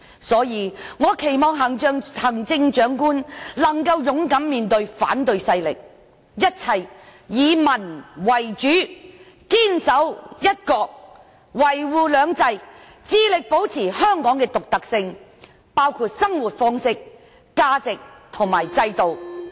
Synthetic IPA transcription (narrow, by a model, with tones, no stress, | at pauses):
sɔː˨˥jiː˨˧ŋɔː˨˧kʰe˨˩jmɔː˨ŋɦɐ˨˩ŋt͡ʃœː˨˧ŋhɐ˨˩ŋt͡sɪ˧ŋt͡ʃœː˨˥ŋkuː˥nlɐ˨˩ŋkɐ˧wjʊ˨˥ŋkɐ˨˥mmiː˨nt̪ɵ˧ɥfa̰ː˨˥nt̪ɵ˧ɥsɐ˧jlɪ̰˨k̚ | jɐ˥t̚t͡sʰɐ˧jːiː˨˧mɐ˨˩nwɐ˨˩jt͡ʃyː˨˥ | kiː˥nsɐ˨˥wjɐ˥t̚kɔː˧k̚ | wɐ˨˩jwuː˨˩lœː˨˧ŋt͡sɐ˧j | t͡siː˧lɪ˨k̚po˨˥wt͡sʰiː˨˩hœː˥ŋkɔː˨˥ŋkɛː˧t̪ʊ˨k̚t̪ɐ˨k̚sɪ˧ŋ | paː˥wkʰuː˧t̚sɐ˥ŋwu˨t̚fɔː˥ŋsɪ˥k̚ | kaː˥t͡sɪ˨k̚t̪ʰʊ˨˩ŋmaː˨˩jt͡sɐ˧jt̪o˨w